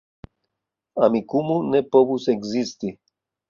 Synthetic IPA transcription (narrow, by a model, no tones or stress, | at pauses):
amikumunepoβuseksist̪i